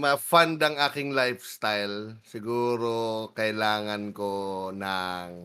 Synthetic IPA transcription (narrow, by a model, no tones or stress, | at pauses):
mɐfand̪ɐŋʔaːkɪŋlajfst̪ajlsɪɡuːɾokɐʔɪlaːŋɐnkonɐŋ